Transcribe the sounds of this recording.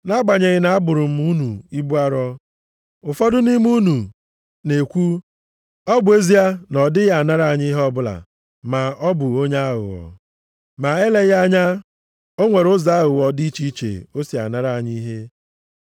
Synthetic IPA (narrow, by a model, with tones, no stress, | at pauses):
na˦ɡ͡ba˨ɲe˨ɣɪ˦na˨a˦bʊ˨ɾʊ˨m̩˦u˦nu˨i˦bu˦a˦ɾɔ˦ | ʊ˨fɔ˦dʊ˦ni˦m˦u˦nu˨ | ne˨kʷu˦ | ɔ˦bʊ˨e˦zi˦a˦nɔ˨dɪ˦ɣa˨na˦ɾa˨ɲɪ˦i˦ɦɔ˦bʊ˦la̰˨ | ma˨ɔ˦bʊ˨o˦ɲa˦ɦʊ̰˨wɔ̰˨ | ma˨e˦le˦ɣa˦ɲa˦ | o˦ŋʷe˨ɾʊ˦za˦ɦʊ˨wɔ˨di˦t͡ʃi˦t͡ʃḛ˨o˦si˨a̰˨na˦ɾa˨ɲi˦i˦ɦe˦